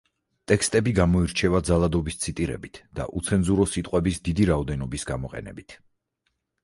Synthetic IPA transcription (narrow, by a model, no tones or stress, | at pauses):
t̪ʼɛkst̪ʼɛbiɡamɔiɾt͡ʃʰɛvad̪zalˠad̪ɔbist̪sʰit̪ʼiɾɛ̰bit̪ʰd̪a̰ʔut̪sʰɛnzuɾɔsit̪ʼqʼwɛbisd̪id̪iɾaɔd̪ɛnɔbisɡamɔqʼɛ̰nɛ̰bit̪ʰ